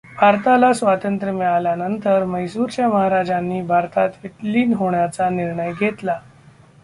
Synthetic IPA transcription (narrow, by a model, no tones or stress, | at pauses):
bʱaɾt̪alasʋat̪ənt̪ɾəmɛɭalanənt̪əɾməjsuːɾt͡ɕjaməɦaɾad͡ʑanːiːbʱaɾt̪at̪ʋiʈliːnɦoɳjat͡saniɾɳəjɡʱet̪la